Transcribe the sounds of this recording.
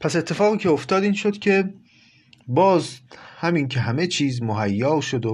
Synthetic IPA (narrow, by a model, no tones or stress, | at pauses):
pʰæse̞t̪ʰːe̞fɒːɣiːcʰʲe̞oft̪ɒːd̪iːnʃod̪̥kʲʰe̞ | bɒːzhæmiŋkʰeɦæme̞t͡ʃʰiːzmoɦæjːɒːʃo̞d̪o